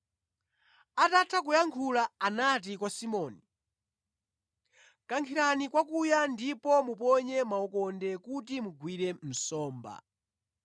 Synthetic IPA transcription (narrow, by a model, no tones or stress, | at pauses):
atatʰakujaŋkʰulaanatikwasimɔːni | kaŋkʰiɾanikwakujandipɔmupɔɲɛmaɔkɔndɛkutimuɡwiɾɛm̩sɔːmba̰